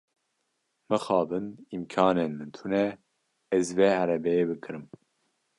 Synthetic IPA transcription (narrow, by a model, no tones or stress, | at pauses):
mɨxɑːbɨnimkʰɑːnenmɨnt̪ʰunɛ | ɛzveːhæɾɛbɛjeːbɨkʰɨɾɨm